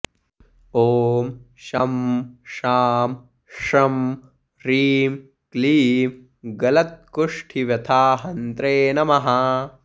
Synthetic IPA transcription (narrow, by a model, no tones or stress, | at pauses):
oːm | ʃɐmʃaːm | ʂɐm | ɾiːm | kliːm | ɡɐlɐt̪̚kuʂʈʰiʋjɐt̪ʰaːɦɐnt̪ɾeːnɐmɐɦɐ